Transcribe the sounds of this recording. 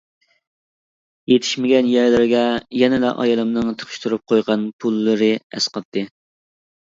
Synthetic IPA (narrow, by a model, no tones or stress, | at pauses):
jet̪ʰɪ̥ʃmɪɡʲɛnjæɾlɪɾɡʲɛjɛnɪlɛʔɑ̰jɑlˠɨmnɨŋt̪ʰə̥qʰɨ̥ʃt̪ʰuɾup̚qʰojʁɑnpʰulˠːɨɾɨɛ̰sqɑp̚t̪ʰːɨ